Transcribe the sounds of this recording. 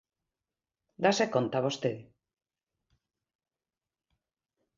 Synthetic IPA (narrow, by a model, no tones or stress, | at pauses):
d̪asekont̪aβ̞ost̪eð